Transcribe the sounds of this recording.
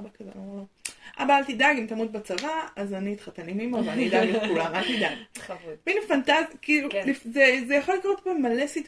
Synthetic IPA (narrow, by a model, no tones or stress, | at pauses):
bakazooʔa̰baalt̪id̪aɡimt̪amut̪̚bat͡savaazanit̪χat̪animimovanid̪aɡekulamalt̪id̪aɡvinefant̪azkilulifzezejaχolikaʁot̪pamːalesit̪